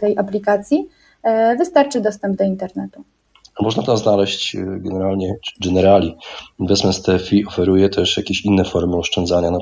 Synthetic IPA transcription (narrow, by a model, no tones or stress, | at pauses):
t̪ɛjʔaplʲikat̪sʲji | vɘst̪aɾt͡ʂɘd̪ɔst̪ɛmb̚d̪ɔint̪ɛɾnɛt̪u | amɔʐnat̪aznalɛɕt͡ɕɡɛnɛɾalɲɛɡɛnɛɾalʲivɛsmɛst̪ɛfʲiɔfɛɾujɛt̪ʰɛʂjakʲeɕinːɛfɔɾmɘɔʂt͡ʂɛnd̪zaɲana